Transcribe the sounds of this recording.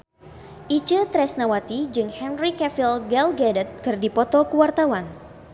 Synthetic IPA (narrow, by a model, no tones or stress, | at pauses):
ʔit͡ʃət̪ɾɛsnawat̪id͡ʒɨŋhɛnrikɛfilɡɛlɡɛdət̪̚kɨrdipɔt̪ɔkəwart̪awan